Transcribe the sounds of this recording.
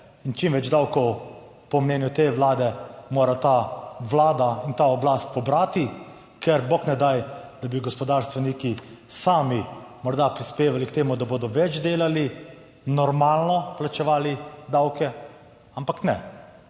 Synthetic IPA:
int͡ʃimʋɛd͡ʒd̪awkɔw | pɔmnɛːnjut̪eʋlaːd̪ɛmoːɾat̪aʋlaːd̪aint̪aɔblast̪̚pɔbɾaːt̪i | kɛɾboknɛd̪ajd̪abiɡɔspɔd̪aːɾst̪ʋɛniki | saːmimɔɾd̪apɾispeːʋalikt̪eːmud̪aboːd̪ɔʋɛd͡ʒd̪eːlali | nɔɾmaːlnɔplat͡ʃɛʋaːlid̪awkɛ | ampaknɛ

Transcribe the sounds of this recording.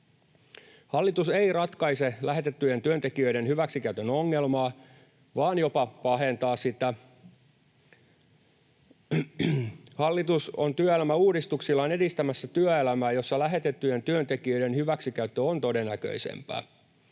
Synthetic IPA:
hɑlːit̪useirɑt̪kɑise̞læɦe̞t̪et̪ːyje̞nt̪yønt̪ekiøidenhyʋæksikæyt̪ønoŋːelmɑː | ʋɑːnjo̞pɑpɑɦe̞nt̪ɑːssit̪æ | hɑlːit̪uso̰nt̪yøelæmæuːdist̪uksilːɑːne̞dist̪æmæsːæt̪yøelæmæːjo̞sːɑlæɦe̞t̪et̪ːyje̞nt̪yønt̪ekiø̞jde̞nhyʋæksikæyt̪ːøont̪o̞denːækø̰isḛmpæ̰ː

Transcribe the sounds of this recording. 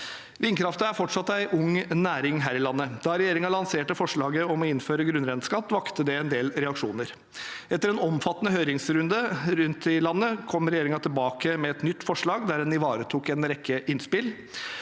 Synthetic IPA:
ʋɪːnkʰɾɑft̪əæɾfɔʈʂɑt̪ːæɪʔʊŋnæːɾɪŋɦæːɾɪlɑnːəd̪ɑɾɛjeːɾɪŋɑlɑŋseːʈəfɔʂɭɑːɡəɔmɔɪnføːɾəɡɾʉnɾɛnskɑt̪ːʋɑkt̪əd̪ɛɛnd̪eːlɾɛɑkʂuːnəɾ | ɛt̪ːəɾɛnɔmfɑt̪ːənəhøːɾɪŋsɾʉnd̪əɾʉnt̪ʰɪlɑnːəkʰɔmɾɛjeːɾɪŋɑt̪ʰɪlbɑːkəmɛɛt̪nʏt̪ːfɔʂɭɑːɡd̪æɾdɛnɪʋɑːɾət̪ʰuːkɛnɾɛkʰːəʔɪnspɪl

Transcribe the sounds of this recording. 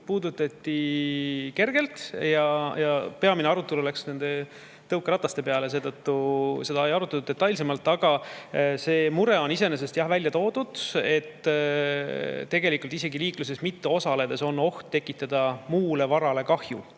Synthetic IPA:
puːd̪ut̪ːˑɑt̪ːi | ke̞rɡ̥e̞lt̪jɑjɑpe̞ɑmineɑɾut̪ːˑululæksne̞nd̪e̞ | t̪ɤwkːˑɾɑt̪ːˑɑst̪e̞pe̞ɑle̞se̞ːt̪ɤt̪ːuse̞d̪ɑejɑɾut̪ːˑelud̪et̪ːˑɑjlse̞mɑlt̪ːˑɑɡ̥ɑse̞ːmuɾe̞o̞nise̞nes̬e̞st̪jɑhvælʲjɑt̪o̞ːd̪̥ud̪̥e̞t̪ː | t̪ːe̞ɡelikˑult̪ise̞ɡiliːklus̬e̞smit̪ːeo̞sɑle̞d̪e̞so̞nːo̞ht̪ːe̞kːˑit̪ːˑɑd̪̥ɑmuːle̞vɑɾɑle̞kɑhjṵ

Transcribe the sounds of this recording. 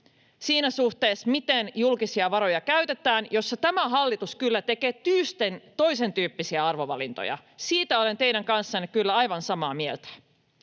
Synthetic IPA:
siːnæsuht̪eːsmit̪enjulkisiɑʋɑɾo̞jɑkæɥt̪e̞t̪æːnjo̞sːɑt̪æmæɦɑlːit̪uskylːæt̪e̞keːt̪yːst̪ent̪o̞jse̞nt̪yːpːisiæɑrʋo̞ʋɑlint̪o̰jɑ̰ | siːt̪æo̞le̞nt̪e̞jɾæŋkɑnsːɑnːekylːæɑjʋɑnsɑmɑːmielt̪æ̥

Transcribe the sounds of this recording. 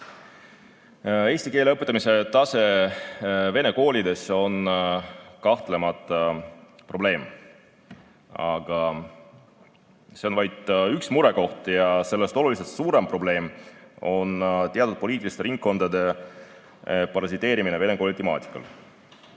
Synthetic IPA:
eːsʲt̪ike̞ːle̞ɤpːˑet̪ːˑɑmise̞t̪ɑse̞ | ve̞ne̞ko̞ːlʲid̪e̞so̞n | kɑht̪le̞mɑt̪ˑːɑpro̞ble̞ːm | ɑ̰ɡ̥ɑ | se̞onvɑjd̪̥yksmuɾe̞ko̞ht̪jɑse̞lːe̞st̪o̞lulis̬e̞lt̪suːɾe̞mpro̞ble̞ːmo̞nt̪eɑd̪ud̪̚po̞iːt̪ːˑilist̪eɾiŋk̚kːo̞nd̪̥ɑd̪e̞ | pɑɾɑsit̪ːˑe̞ːɾimineve̞ne̞ko̞ːlʲit̪emɑ̰ːt̪ʲi̥kːˑɑ̰l

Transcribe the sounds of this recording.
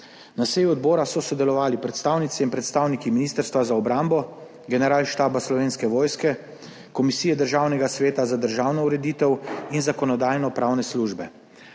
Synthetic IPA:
nasejuɔd̪bɔːɾasɔsɔd̪ɛlɔʋaːlipɾɛt̪st̪aːwnit̪siimpɾɛt̪st̪aːwnikiminiːst̪əɾst̪ʋazaɔbɾambɔ | ɡɛnɛɾaːlʃt̪aːbaslɔʋeːnskɛʋɔːjskɛ | kɔmisiːjɛd̪əɾʒawnɛɡasʋeːt̪azad̪əɾʒaːwnɔuɾɛd̪iːt̪ɛwinzakɔnɔd̪aːjnɔpɾaːwnɛsluːʒbɛ

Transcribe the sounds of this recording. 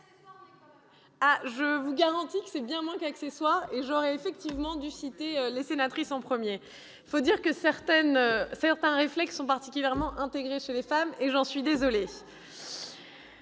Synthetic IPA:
aʒəvuɡaʁɑ̃t̪ikə̥sɛbjɛ̃mwɛ̃kaksɛswaʁeʒɔʁɛefɛk̚t̪ivmɑ̃d̪ysit̪eølesenat̪χisɑ̃pχəmje | fod̪iʁkəsɛʁt̪ɛnøsɛʁt̪ɛ̃ʁeflɛksːɔ̃paʁt̪i̥kʲyljɛʁmɑ̃ʔɛ̃t̪eɡʁeʃelefameʒɑ̃sɥid̪ezɔle

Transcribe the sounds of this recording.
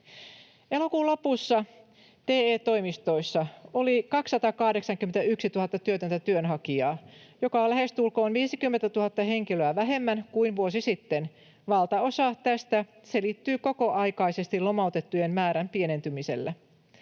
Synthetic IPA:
e̞lo̞kuːlo̞pusːɑ | t̪eːeːt̪o̞jmist̪o̞isːɑo̞likɑksːɑt̪ɑkɑhde̞ksɑŋkyment̪æyksit̪uhɑt̪ːɑt̪yøt̪ønt̪æt̪yønɦɑkiɑːjo̞kɑolæhe̞st̪ulkoːnʋiːsikymːet̪æt̪uhɑt̪ːɑhe̞ŋkiløæʋæɦe̞mːænkuinʋuosisit̪ːen | ʋɑlt̪ɑo̞sɑt̪æst̪æ | se̞lit̪ːyːko̞koʔɑjkɑjse̞st̪ilo̞mɑut̪et̪ːujemmæːɾæmpie̞ne̞nt̪ymise̞̰lːæ

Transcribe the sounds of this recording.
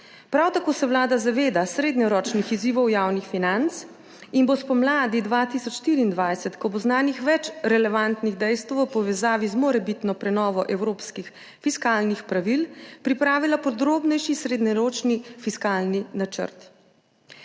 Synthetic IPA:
pɾawt̪akoːsɛwlaːd̪azaʋeːd̪asɾeːd̪ɲɔɾɔːt͡ʃnixiziːʋɔwjaːwnixfinant̪s | inbospɔmlaːd̪id̪ʋat̪isɔt͡ʃʃt̪iːɾiːnd̪ʋajsɛt̪kɔboznaːnixʋɛt͡ʃɾɛlɛʋant̪niɣd̪ɛjst̪wɔpɔʋɛzaːʋizmoɾɛbit̪nɔpɾɛnɔːʋɔʔɛwɾoːpskix | fiskaːlnixpɾaʋilpɾipɾaːʋilapɔd̪ɾoːbnɛjʃisɾed̪ɲɔɾoːt͡ʃnifiskaːlninat͡ʃə̰ɾt̪

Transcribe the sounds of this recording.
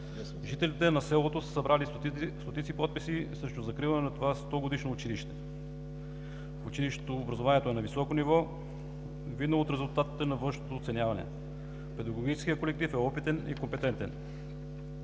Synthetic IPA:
ʒit̪ɛlit̪ɛnɐsɛlˠot̪osə̥sɐbɾʔali | st̪ot̪it̪sipɔt̪̚pisisɾɛʃt̪ʊzɐkɾivˠɐnɛnɐt̪ovast̪ɔɡod̪iʃnoːt͡ʃiliʃt̪ɛ | ut͡ʃiliʃt̪t̪oːbɾɐzovaniɛt̪oɛnɐvisɔkonivɔ | vid̪nəlˠot̪ɾɛzulˠt̪at̪i̥t̪ɛnɐvɤnʃnot̪oːt̪sɛnʲjavɐnɛ̰ | pɛd̪ɐɡoɡit͡ʃɛ̥skijəkolɛk̚t̪ifɛɔpit̪ɛnḭkompɛt̪ɛnt̪ɛ̰n

